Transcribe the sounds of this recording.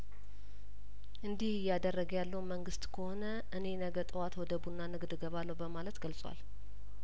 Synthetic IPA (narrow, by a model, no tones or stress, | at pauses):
ʔɨnd̪ihɪjad̪ərːəɡjalːəwməŋɡɨst̪kʰəho̞nə | ʔɨne̞nəɡət̪ʼɨwat̪wɔd̪əbunːanɨɡd̪ɡəβalːəwbəmalət̪ɡəlsʼwa̰l